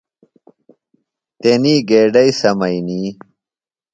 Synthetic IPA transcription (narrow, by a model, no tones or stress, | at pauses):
t̪eniːɡeːɖɐjsɐmɐiniː